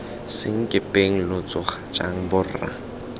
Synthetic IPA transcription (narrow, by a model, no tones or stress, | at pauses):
sɪŋ̩kʼɪpʼeŋ̩lʊt͡sʼʊχat͡ʃʼa̰ŋ̩bʊra̰